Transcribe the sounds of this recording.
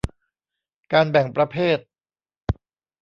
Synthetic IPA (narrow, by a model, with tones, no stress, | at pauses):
kaː˧nbɛ˨˩ŋpɾa˧pʰeː˥˩t̪̚